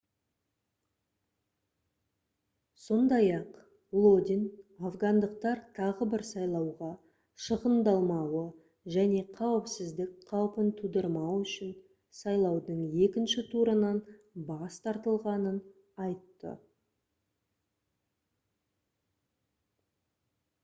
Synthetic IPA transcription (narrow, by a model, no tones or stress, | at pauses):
so̞nd̪ɑjɑq | lˠod̪ʲinafɡand̪əq̚t̪ɑɾt̪ʰɑʁəbɪɾsɑjlˠɑwʁɑ | ʃəʁənd̪ɑlˠmɑwə | ʒæne̞qʰɑwəpsɪzd̪ɪk̚ʲqʰɑwpənt̪ʰud̪əɾmɑwʏʃɪn | sɑjlˠɑwd̪əɴje̞kʲɪnʃɪt̪ʰuɾənɑn | bɑst̪ʰɑɾt̪əlˠʁɑnən | ɑjt̪ːə̰